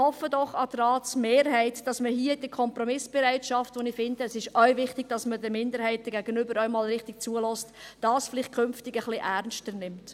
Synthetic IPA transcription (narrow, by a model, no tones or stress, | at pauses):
hɔfːədɔχɑtrɑːtsmeːɾhɛɪtd̥ɑsməɦiːəd̥əkʰɔmpɾɔmɪsb̥ɛɾaɪtʃɑftʋɔnɪfɪndəːsɪʃœɥvɪχtɪɡ̥̚d̥ɑsmədɛɾmɪndəɾhæɪt̚dəɡæɡ̥ənʏbəɾœʏmɑːlɾɪχtɪɡ̥̚t͡suəlɔstd̥ɑːsfɪlɪχ̚kʰʏnftɪɡəχliʔæɾnʃtəɾnɪmt